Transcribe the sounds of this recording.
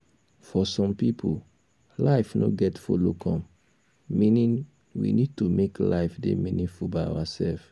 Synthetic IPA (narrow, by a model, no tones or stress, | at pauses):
fɔsɔ̃mpipʰu | laɪfno̰ɡɛtfolokʰɔ̃m | mĩnĩn | wḭnid̚tumekla̰ɪfdḛmĩnĩfubaa̰wasɛlf